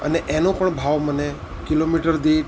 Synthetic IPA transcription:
ə̰neʔenõpəɳbʱaʋməne | kilomiʈəɾd̪i

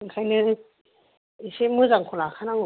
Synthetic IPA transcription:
ŋkʰajnɯ | isemɯzaŋkʰulakʰanaŋ

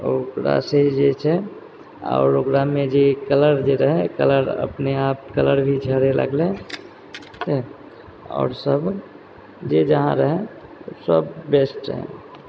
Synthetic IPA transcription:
okɾa̰seɦid͡ʒet͡ʃʰɛ | ɔ̰ːɾokɾamẽd͡ʒekələɾd͡ʒeɾəɦẽkələɾə̰pneaːp̚kələɾbʱid͡ʒʱəɽelə̰ɡlẽ | t͡ʃʰɛ | ɔ̰ːɾsəb | d͡ʒed͡ʒəɦã̰ɾəɦẽsəbːesʈɦɛ̰̃

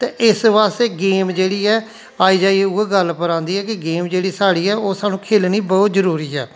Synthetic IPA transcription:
t̪eːʔɪsʋaːst̪eːɡeːmd͡ʒeːɽiːɛː | aːiːd͡ʒaːiuɛːɡəlpəɾãːnd̪iːɦɛːkɪɡeːmd͡ʒeːɽiːsaːɽiːɛːoːsaːnũːkʰeːlniːbɔːt̪zəɾuːɾiːɛː

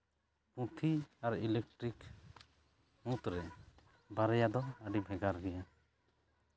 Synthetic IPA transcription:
pũt̪ʰiaɾilek̚ʈɾik | mũt̪ɾɛ | baɾɛjad̪ɔəɖibʱɛɡaɾɡɛja

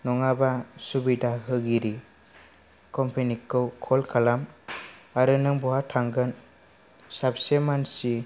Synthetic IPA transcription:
nɔŋabasubidaɦɯɡiɾi | kɔmpʰenikʰːɯwkʰɔlkʰalam | aɾɯnɯŋbɔɦatʰaŋɡɯn | sap̚semansi

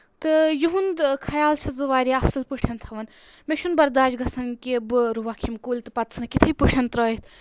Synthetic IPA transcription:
t̪ɨjuɦund̪kʰɐjaːlt͡ʃʰɐt͡sbɨʋaːɾiɐsɨlpɨʈʰɐnt̪ʰɐʋɐn | meʃunbɐɾd̪aːd͡ʒɡɐsɐnkʲebɨɾuʋɐkʰimkuːlʲt̪ɨpɐt̪sʰɨnɨkit̪ʰɨpɨʈʰʲɐnt̪ɾɔːit̪ʰ

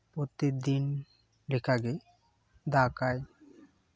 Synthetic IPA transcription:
pot̪ːek̚d̪in | lekʰaɡe | d̪akaj

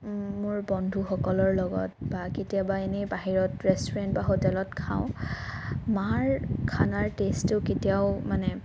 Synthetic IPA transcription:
mʊɹbɔndʱuxɔkɔlɔɹlɔɡɔ̰t̚baketijabaenibaɦiɹɔtɹɛstɔɹɛntbaxotɛlɔtkʰã̰ʊ̃ | maɹkʰanaɹtestʊketiaʊmanɛ

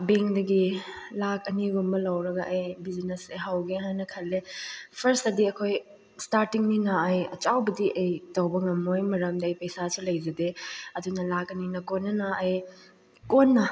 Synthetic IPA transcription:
beŋdɐɡilak̚ɐniɡumbɐlɐwɾɐɡɐʔːjbizinesejɦawɡeɦannɐkʰɐlːepʰɐɾstɐdiɐkʰoj | staɾtiŋninɐːjɐt͡ʃawbɐdiʔɐjtɐwbɐŋɐmːojmɐɾɐmdɐɐjpɐjsasulɐjzɐdeɐdunɐlakɐninɐkonːɐnɐːj | konːɐ

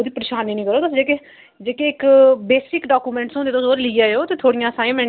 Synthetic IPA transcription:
oːd̪iːpəɾeːʃaːniːnĩːkəɾoːt̪ʊsd͡ʒeːke | d͡ʒeːkeːɪkbeːsɪkɖaːkuːmɛ̃ːɳʈsɦond̪et̪osoːɾlɪːaːeoːt̪eːt̪ʰoːɽijãːəsaːmɛ̃ːɳ

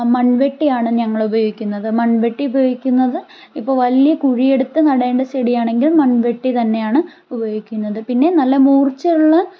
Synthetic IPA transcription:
mɐnʋe̞ʈːijaːɳɨɲɐŋːɐɭubɐjo̞ːɡikʲːunːɐðɨmɐnʋeʈːiubɐjo̞ːɡikʲːunːɐðɨ | ipːo̞ːɭʋɐlijɐkuɻije̞ɽut̪ːɨnɐɽeːɳɖɐsɐɽijaːɳe̞ŋɡilmɐnʋe̞ʈːit̪ɐnːe̞jaːɳɨ | ubɐjoːɡikʲːunːɐðɨpinːe̞nɐlːɐmuːrt͡ɕːɐɾuɭːɐ

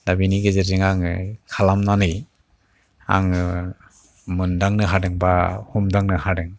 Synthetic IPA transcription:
dabiniɡezezɯŋaŋkʰalamnanɯj | a̰ŋ | mɯndaŋnɯɦadɯŋbahumdaŋnɯhadɯŋ

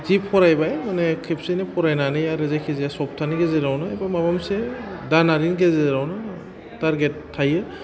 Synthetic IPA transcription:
zipʰɔɾajbajmanɛkʰipsinepʰɔɾajnanɯjaɾɯzajkʰizijasɔp̚tʰaniɡezeɾawnaebamabamsɛ | danaɾinɡezeɾawna | taɾɡɛtʰːajɯ

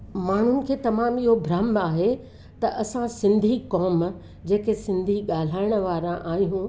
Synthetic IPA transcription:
maːɳ̤ʊnɪ̆kʰeːt̪ɐmaːmiɦobʱɾamaːɦe | t̪ɐʔɐsãsɪ̃nd̪ʱikɔːm | d͡ʑeːkesɪ̃nd̪ʱiɠaːl̤aːɪɽ̃ə̆ʋaːɾãʔaːɦjũ

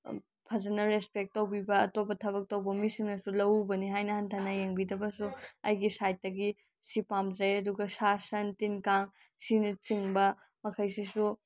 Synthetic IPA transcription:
pʰɐd͡ʒɐnɐɾespek̚tːɐwbibɐːtopɐtʰɐβɐk̚tɐwbɐmisiŋnɐsulɐwubɐniɦajnɐhɐntʰanɐjeŋbidɐbɐsuɐ̰jɡisajt̚ːɐɡi | sipamzɐjɐduɡɐsasɐntinkaŋ | sinɐt͡ʃiŋbɐ | mɐkʰɐjsisu

